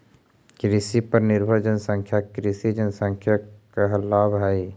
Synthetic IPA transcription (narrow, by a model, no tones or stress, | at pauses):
kɾɪsipəɾnɪɾbʱəd͡ʒənsə̃ŋkʰjakɾɪsid͡ʒənsə̃ŋkʰjakaɦlːaːbɦai